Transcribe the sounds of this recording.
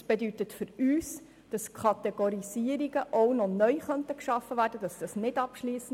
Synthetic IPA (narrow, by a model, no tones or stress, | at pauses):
sb̥edytətfʏɾyːs | d̥ɑskʰχɑtɛɡ̥oɾisiəɾiɡəʔɔwnɔnœʏχœntəkʃɑfːəʋæːrdədɑsd̥ɑsnɪdɑpʃliːsən